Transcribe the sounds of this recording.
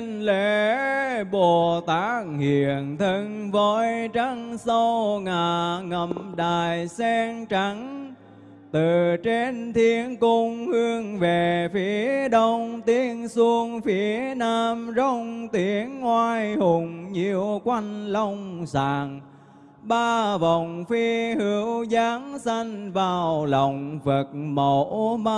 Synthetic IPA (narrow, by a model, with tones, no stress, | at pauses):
nle˧˦ | ɓo˨˩t̪aː˨˦˥k̚hḭ˨˩˨ənt̪ʰɨ˧ŋvəː˨˦jt͡ɕa˧˥ŋsə˧wŋaː˨˩ŋə˨˩mmɗaː˨˩jsɛ˧ŋt͡ɕa˨˦ŋ | t̪ɨ˨˩t͡ɕe˧nt̪ʰi˨˦ənkʊ˧ŋ͡mhɨ˧əŋve˨˩fi˨˦əəɗə˧wŋ͡mt̪i˨˦ənsu˧əŋfi˨˦ənaː˧mzə˧wŋ͡mt̪i˨˦ənːwaː˧jhʊ˨˩ŋ͡mɲi˨˩əwkwa˧jŋ̟lə˧wŋ͡msaː˧˨˩ŋ | ɓaː˧və˨˩wŋ͡mfi˧hɨ˨˦əwzaː˨˦ŋsa˧ŋ̟vaː˨˩wlɔ˨˩wŋ͡mvə˨˩k̚mo˧˨˩ma˧